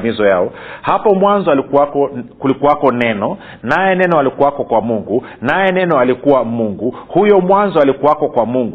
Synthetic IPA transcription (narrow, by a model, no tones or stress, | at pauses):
mizɔjaɔhapɔmwanzɔalikuakɔkulikuwakɔnɛnɔ | najɛnɛnɔalikuwakɔkwamuŋɡu | najɛnɛnɔalikuwamuŋɡuhujɔmwanzɔalikuwakɔkwamuŋɡ